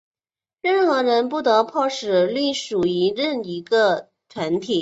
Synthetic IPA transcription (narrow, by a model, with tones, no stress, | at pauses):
ɻə˥˩nxɤ˧˥ɻə˧˥np̬u˥˩t̪ɤ˧˥pʰɑ˥˩ʂɻ̩˨˩ly˥˩ʂu˨˩i˧˥ɻə˥˩ni˧˥ɡə˧ | t̪ʰwa˧˥nt̪ʰi˨˩˦